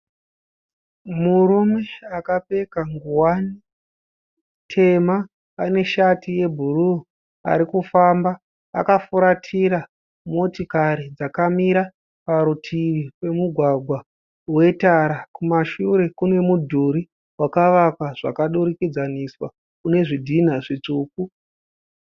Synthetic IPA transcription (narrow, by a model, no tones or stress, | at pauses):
muɾume̞akape̞kaŋɡuwani | tʰe̞maː | ne̞ʃatije̞bʱuru | a̰ɾikufambaː | kafuɾatʰiɾa | mo̞tikaɾid͡zakamiɾa | paɾutʰiʋipe̞muɡʱwaɡʱwa | we̞taɾakumaʃuɾe̞kune̞mudʱuɾi | wakaʋakwaʐ̥a̰kaɗuɾikid͡zaniswa | kune̞ʐidʱin̤aʐit͡ʂuːku